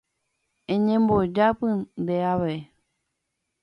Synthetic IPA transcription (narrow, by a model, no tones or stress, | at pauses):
ẽɲẽmbod͡ʒapɨ̃nd̪eaʋe